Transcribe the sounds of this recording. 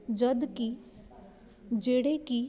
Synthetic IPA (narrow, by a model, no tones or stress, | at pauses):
d͡ʒəd̪ki | d͡ʒeːɽeki